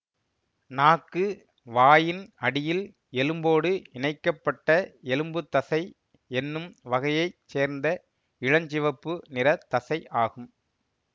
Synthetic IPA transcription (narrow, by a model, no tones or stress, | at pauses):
naːkːɯ | ʋaːjɪnɐɽɪjɪl | ɛlɯmboːɽɯɪɳɐɪkːɐpːɐʈːɐɛlɯmbɯt̪ːɐsɐɪ | ɛnːɯmʋɐɣɐjɐɪt͡ʃeːɾnd̪ɐ | ɪɻɐɲd͡ʒɪʋɐpːɯnɪɾɐt̪ːɐsɐɪʔaːɣɯm